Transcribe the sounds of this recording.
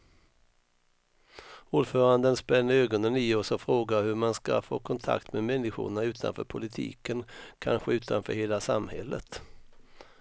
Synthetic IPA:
uːɖfœːɾand̪ənspɛnːəɾøːɡɔnənɪɔsɔfɾoːɡahɵmanska̰fo̰ːkʰɔnt̪ʰa̰kt̪memɛnːɪɧʊ̰ɳaʉ̟ːt̪ʰa̰nfœ̰ːɾpʰʊlɪt̪ʰḭːkənkʰa̰nɧəʉ̟ːt̪ʰanfœːɾheːlasamhɛ̰lːə̰t̪

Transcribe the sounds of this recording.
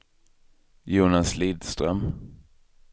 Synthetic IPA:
juːnasliːd̪st̪ɾœm

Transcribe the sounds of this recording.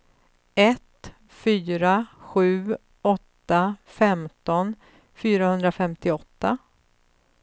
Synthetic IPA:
ɛt̪ | fyːɾaɧʉ̟ː | ɔt̪ːafɛmt̪ɔn | fyːɾahɵnd̪ɾafɛmt̪ɪɔt̪ːa

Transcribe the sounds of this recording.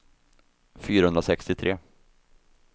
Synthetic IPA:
fyːɾahɵnd̪ɾasɛkst̪ɪt̪ʰɾeː

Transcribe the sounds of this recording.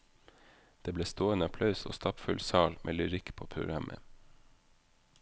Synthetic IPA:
d̪̥eːbleːst̪oːənəpʰlɑʉso̰ːst̪ɑpfʉlsɑːlmʔḛːlʉɾɪkpʰoːpʰɾʊ̰ɡɾɑmʔə̰

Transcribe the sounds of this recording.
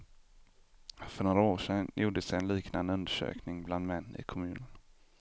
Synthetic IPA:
fœɳoːɾaoːʂɛnjuːɖəsɛjɛnliːkna̰nd̪əɵnd̪əʂø̰ːknɪŋbland̪mɛnːɪ̰kʰɔmʉ̟ːnən

